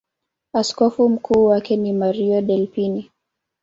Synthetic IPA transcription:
askɔfum̩kʰuːwakɛnimaɾiɔɗɛlpini

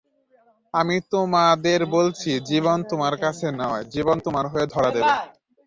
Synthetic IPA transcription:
amit̪omad̪eɾbolt͡ɕʰid͡ʑiβont̪omaɾkat͡ɕʰenɔed͡ʑibont̪omaɾɦoed̪ʱɔɾad̪ebe

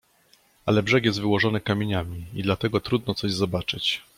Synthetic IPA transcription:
alɛbʐɛkjɛst̪vɘwɔʐɔnɘkamʲeɲamʲiid̪lat̪ɛɡɔt̪ɾud̪̚nɔt̪sɔʑzɔbat͡ʂɘt͡ɕ

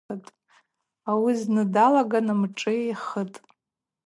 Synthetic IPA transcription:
ətʼ | awiznɨdalaɡanɨmʈ͡ʂʼɨeχətʼ

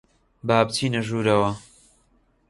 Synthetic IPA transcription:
baːb̚tʰiːnɐʒuːɾɐwɐ

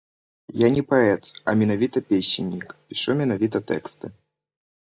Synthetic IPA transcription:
janʲɛpaɛt̪ɐ̰mʲɛnavʲit̪ɐpʲesʲɪnʲːikpʲiʂumʲɛnavʲit̪ɐt̪ɛ̰kst̪ɨ

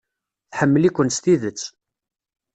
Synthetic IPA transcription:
θħəmːəlikʷənst̪iðət͡sː

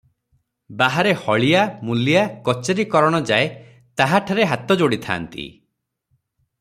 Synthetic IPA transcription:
baɦaɾehɔɭijamulijakɔt͡ʃeɾikɔɾɔɽ̃ɔd͡ʒae | t̪aɦaʈʰaɾeɦat̪ɔd͡ʒoɽit̪ʰa̰ːnt̪ḭ

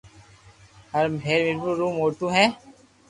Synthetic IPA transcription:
həɾmbʱeːɾmɪɾbuɾuːmoːʈuːɦɛ̃ː

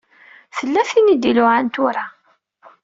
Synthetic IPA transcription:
θəlːæθinid̪ilʊʕant̪ʊɾa

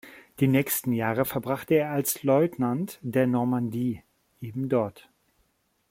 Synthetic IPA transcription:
d̥iːnɛːçstn̩jaːʁəfɛɐbʁaχtəeːɐalslɔʏtnantd̥eːɐnɔɐmandiː | ʔeːbm̩dɔɐt

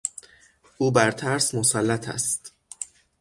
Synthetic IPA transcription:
ʔuːbæɾt̪ʰæɾsmosælːæt̪ʰæ̰st̪

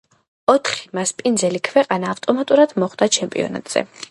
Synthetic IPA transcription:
ɔt̪ʰχi̥maspʼind̪zɛlikʰvɛqʼanaːft̪ʼɔmat̪ʼuɾad̪̥mɔχd̪at͡ʃʰɛmpʼḭɔ̰na̰t̪ʼz̥ɛ̰

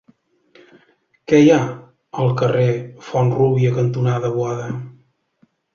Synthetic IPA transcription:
kɛja | əlˠkərefɔnruβiəkənt̪unaðəβwaðə

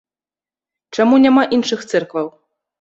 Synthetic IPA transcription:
t͡ʂamunʲamaʔinʂɨxt̪sɛrkvɐw

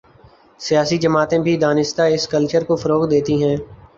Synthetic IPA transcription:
sijaːsid͡ʒəmaːt̪ẽbʱid̪aːnɪst̪aɪskəlt͡ʃəɾkofəɾoːkd̪eːt̪iɦɛ̃ː

